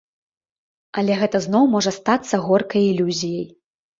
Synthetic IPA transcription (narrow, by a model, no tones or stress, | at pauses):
ɐlʲɛɣɛt̪ɐznɔwmɔʐɐst̪at̪sːɐɣɔrkɐjilʲuzʲijɐj